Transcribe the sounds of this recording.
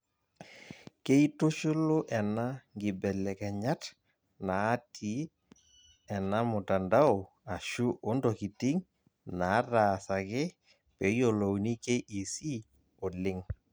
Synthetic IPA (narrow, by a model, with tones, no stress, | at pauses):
ke˦i˦tʊ˦ʃʊ˦lʊ˦ʔɛ˨na˦ŋɡɪ˨bɛ˨lɛ˨kɛ˨ɲa˦t | naː˨˦tʰi˦ | ɛ˨na˦mʊ˨ta˨nda˦ʊ˨ | a˨ʃu˦ʔo˦ndɔ˨ki˨ti˦ŋ | na˨˦taː˨sa˨kɛ˦ | pɛ˨i˦o˨lo˨wni˦ke˦ʔi˨si˦ | o˨lɪ˦ŋ